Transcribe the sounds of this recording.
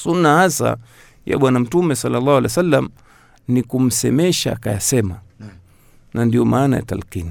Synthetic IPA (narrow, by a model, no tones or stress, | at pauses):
sunːahasa̰ | ja̰ɓwanam̩tumɛsalːalːaːhwalajasalːam | nikum̩sɛmɛʃaːkajasɛma | nandiɔmaːnaja̰ta̰lkini